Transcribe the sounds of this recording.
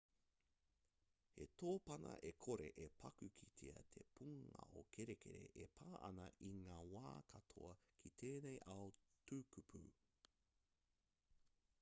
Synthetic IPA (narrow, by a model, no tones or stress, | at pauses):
hetʰoːpɐnɐ̰ʔekʰoɾe̞ʔepʰɐkʉkʰitʰeɐtʰepʰuŋɐ̰okʰeɾekʰeɾḛʔepʰaːʔɐ̰nɐʔiŋaːwa̰ːkʰɐtʰo̰ɐkʰit̪ʰeːnejʔɐotʰukupʰu